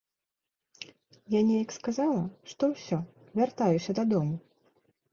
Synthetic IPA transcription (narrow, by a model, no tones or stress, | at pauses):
janʲɛjɐkskazalˠɐʂt̪ɔwsʲɔ | vʲart̪ajusʲɐd̪ad̪ɔmu